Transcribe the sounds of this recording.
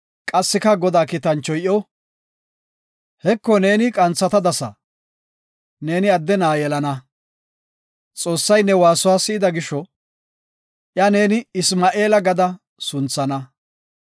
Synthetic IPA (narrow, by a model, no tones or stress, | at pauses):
kʼɐsːɪkɐɡɔd̪aːkit̪ɐnt͡ʃːɔjʔɔ | hɛkːɔne̞ːnɪkʼɐnt͡sːɐt̪ɐd̪ɐsɐ̰ | ne̞ːnɪɐd̪ːɛnaːjɛlɐnɐ | t͡sʼo̞ːsːɐjnːɛwaːsʊwaːsɪɪd̪ɐɡɪʃɔ | ʔjɐne̞ːnɪɪsmaːʔe̞ːlɐɡɐd̪ɐ | sʊnt͡sːɐnɐ